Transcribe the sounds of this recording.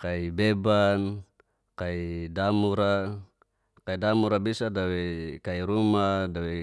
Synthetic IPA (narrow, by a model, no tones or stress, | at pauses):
kaibeban | kaidamuɾa | kaidamuɾabisadawɛkaiɾumadawɛ